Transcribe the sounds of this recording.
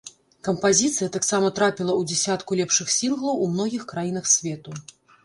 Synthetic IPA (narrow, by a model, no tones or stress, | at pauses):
kɐmpazʲit̪sɨjɐt̪aksamɐt̪ɾapʲilˠɐud͡zʲɛsʲat̪kulʲɛpʂɨxsʲinɣlˠɐwumn̪ɔɣʲixkɾajin̪ɐxsʲvʲɛt̪u